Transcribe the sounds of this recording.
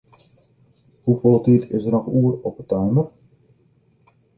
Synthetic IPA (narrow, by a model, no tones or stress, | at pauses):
hufolˠtitʰɪsərnɔxuːərɔpətawnər